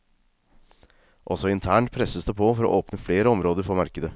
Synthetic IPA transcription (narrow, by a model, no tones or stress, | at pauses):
ʔɔsɔɪnt̪ʰæːɳʈpʰɾɛsəsd̪ɛpʰofɔɾɔ̰ʔoːpnəfleːɾəɔmɾoːd̪əɾfɔmɑɾkəd̪ə